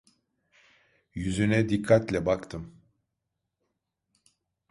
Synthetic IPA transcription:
jyzynɛd̪ikʰːat̪lʲɛbakt̪ʰɯm

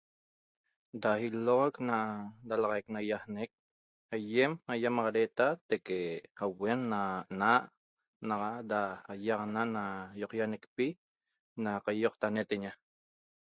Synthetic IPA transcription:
dahiloʁoknadalɑʁaeknajahnek̚ | hajemhajamɑʁɑɾet̪at̪ekehawenːanaʔ | nɑʁadaajɑʁnanajoqjanekpi | naqajoqt̪anet̪eɲa

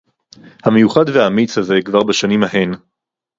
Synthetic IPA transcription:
hame̞juχadveaːmit͡shazekvaʁbaʃanimhaɦe̞n

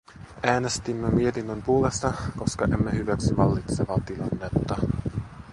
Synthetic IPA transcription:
æːne̞st̪imːemie̞t̪inːømpuole̞st̪ɑko̞skɑʔemːehyʋæksiʋɑlːit̪seʋɑt̪ilɑnːe̞t̪ːɑ

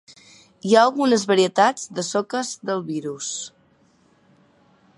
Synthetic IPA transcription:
iaəlˠɣunəzβəɾiət̪ad͡zd̪əsɔkəzd̪əlˠβiɾus

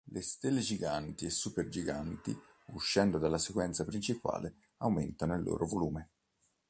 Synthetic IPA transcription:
lʔest̪elːed͡ʒiɡant̪iesːuperd͡ʒiɡant̪ḭ | uʃːɛnd̪od̪alːasekwɛnt̪sapɾint͡ʃipa̰ːle | awment̪anoilːʔo̰ːɾʔovoluːme

